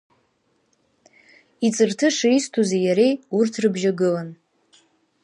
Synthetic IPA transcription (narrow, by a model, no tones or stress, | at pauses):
it͡sʼɨrtʰɨʂaistʰuzejaɾejurtʰrɨbʒaɡɨlan